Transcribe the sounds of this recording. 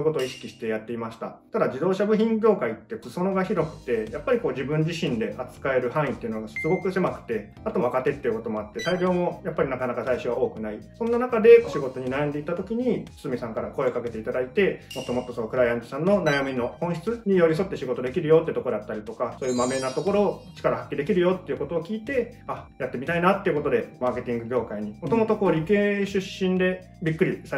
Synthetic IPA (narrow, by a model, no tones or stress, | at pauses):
ko̞t̪o̞ːiɕi̥kʲiɕi̥t̪e̞jat̪ːe̞imaɕi̥t̪a̰t̪ad̪ad͡ʑid̪o̞ːɕabɯ̟çʲĩŋk̬ʲo̞ːkait̪ːeso̞noɡaçiɾo̞kɯ̟̥t̪e̞japːaɾʲikoːd͡ʑibɯ̟̃ɲ̟d͡ʑiɕĩnd̪e̞ʔat͡sɨ̥kae̞ɾɯ̟hãɰ̃ĩt̪ːeɯ̟noɡasɨɡo̞kɯ̟se̞makɯ̟̥t̪e̞ | at̪oβakat̪e̞t̪ːe̞iɯ̟ko̞t̪o̞mo̞at̪ːe̞saiɡʲo̞ːmo̞japːaɾʲinakanakasaiɕo̞βao̞ːkɯ̟naisõ̞nːanakad̪e̞ɕiɡo̞t̪o̞ɲ̟inajãnd̪e̞it̪ːat̪o̞kʲiɲ̟isɨmʲisãŋkaɾako̞e̞okake̞t̪e̞it̪ad̪ait̪e̞mo̞t̪ːo̞mo̞t̪ːo̞sonokɯ̟ɾaiãnt̪o̥sãnːo̞najamʲino̞hõɰ̃ɕi̥t͡sɨɲ̟ijo̞ɾʲis̬o̞t̪ːe̞ɕiɡo̞t̪o̞d̪e̞kʲiɾɯjo̞ːt̪ːeɯ̟t̪okoɾat̪ːaɾʲit̪o̞kaso̞ːjɯ̟mame̞nat̪o̞ko̞ɾo̞ːt͡ɕi̥kaɾahakʲːid̪e̞kʲiɾɯ̟jo̞t̪ːe̞iɯ̟ko̞t̪o̞ːkʲiːt̪e̞ | ajat̪ːe̞mit̪ainat̪ːe̞iɯ̟ko̞t̪o̞d̪e̞maːke̞t̪ʲĩŋɡɯ̟ɡʲo̞ːkaiɲ̟imot̪o̞mo̞t̪o̞ko̞ːɾʲike̞ːɕɨɕːĩnd̪e̞ | bʲikːɯ̟ɾʲisa